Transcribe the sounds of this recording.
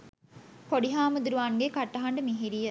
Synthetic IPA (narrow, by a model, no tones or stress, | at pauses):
poɖiɦaːmud̪uɾuʋaːnɡekɐʈːɐɦɐɳɖəmiɦiɾijɐ